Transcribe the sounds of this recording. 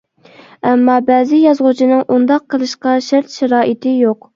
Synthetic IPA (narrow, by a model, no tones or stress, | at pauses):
ɛmːɑbɛːzɪjɑzʁʊt͡ʃʰinɨŋʔund̪ɑqʰːəlˠɨʃqɑʃæɾt̪ʃæɾɑːʔit̪ʰɪjoq